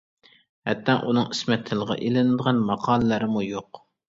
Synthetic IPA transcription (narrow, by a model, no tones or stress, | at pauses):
hɛ̰t̪ʰːɛŋʔunɨŋismɛt̪ʰːɪlˠʁɑ̰ʔelɪnɪd̪əʁɑnmɑqʰɑːlˠəlɨɾɪmujoq